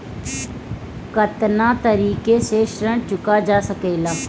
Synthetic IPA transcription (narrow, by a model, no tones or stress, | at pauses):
kət̪nãːt̪əɾiːkeseːʃɾəɳt͡ʃʊkaːd͡ʒaːsəkeːlaː